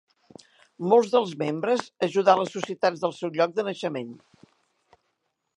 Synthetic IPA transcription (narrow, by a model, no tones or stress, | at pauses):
molˠzðəlˠzmembɾəzəʒuðaləsːusiət̪ad͡zðəlˠsɛwʎɔk̚d̪ənəʃəmen